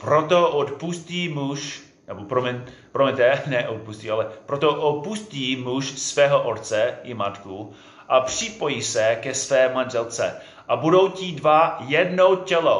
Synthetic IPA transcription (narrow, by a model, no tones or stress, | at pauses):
pɾot̪oʔot̪pusciːmuʃ | nɛbopɾomɛnpɾomɛt̪ɛnɛʔot̪̚pusc̪ialɛpɾot̪oʔot̪̚pusciːmuʃsvɛːɦoʔot̪t͡sɛʔɪmat̪ku | ʔapr̥ɪpo̞jiːsɛkɛsvɛːmanʒɛlt͡sɛ̰ | ʔabudowcidvajɛdnowcɛlo̰